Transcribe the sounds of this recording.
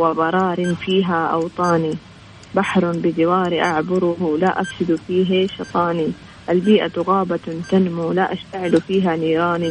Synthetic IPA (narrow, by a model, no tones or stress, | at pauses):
wɪbɑɾˤɑːɾɪnfiːɦaʔɑwt̪ˤɑːni | baħɾˤbɪd̪ɪwaːɾiʔaʕbʊɾʊɦlaʔafsɪd̪fiːɦaʃɑt̪ˤɑːni | ʔalbiːʔat̪ʊɣaːbat̪anmulaʔaʃt̪aʕɪlfiːɦaniːɾɑːni